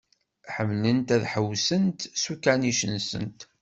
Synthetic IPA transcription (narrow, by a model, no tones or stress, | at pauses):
ħəmlənt̪æðħəwsənt̪sukːæniʃənsə̰nt̪